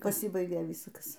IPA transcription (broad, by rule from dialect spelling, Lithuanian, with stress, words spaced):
pɐˈsʲiːbɐɪɡʲeː ˈʋʲiːskɐs